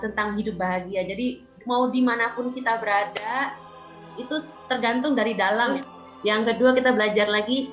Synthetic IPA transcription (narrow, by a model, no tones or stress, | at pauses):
t̪ənt̪aŋɦidʊp̚baɦaɡiad͡ʒadi | maudimanapʊnkit̪abəɾada | it̪u | t̪ərɡant̪ʊŋdaɾidalaŋ | jaŋkəduakit̪abəlad͡ʒarlaɡi